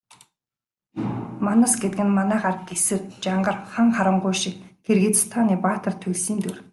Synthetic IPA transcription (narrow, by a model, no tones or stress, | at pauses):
manasɡet̪ɘɡɘ̆nmanæːɢarət̪esɘ̆t̪̚t͡ɕaɴɢə̆rχaŋχaɾə̆ɴɢʊjʃɪk̚ɡerɣit͡st̪ʰaːniːpaːt̪ə̆rt̪ʰɵɮsiːnt̪ur